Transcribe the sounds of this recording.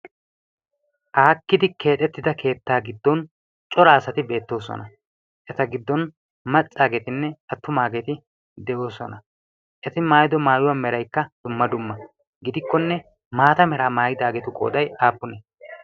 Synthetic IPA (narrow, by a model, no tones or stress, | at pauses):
ʔaːkːɪd̪ɪke̞ːᶑ̪ɛt̪ːɪd̪ɐkʰe̞ːt̪ːaːɡɪd̪ːɔn | t͡ʃʼɔɾaːsɐt̪ɪbe̞ːt̪ːo̞ːsɔ̰nɐ | ʔɛt̪ɐɡɪd̪ːɔn | mɐt͡sʼːaːɡɛt̪ɪnːɛɐt̪ːʊmaːɡɛt̪ɪ | d̪ɛʔo̞ːsɔ̰nɐ | ʔɛt̪ɪmaːjɪd̪ɔmaːjʊwɐmɛɾɐjkːɐd̪̥ʊmːɐd̪ʊmːɐ | ɡɪd̪ɪkːɔnːɛ | maːt̪ɐmɛɾaːmaːjɪd̪aːɡɛt̪ʊkʼo̞̰ːd̪ɐjaːpːʊnɛ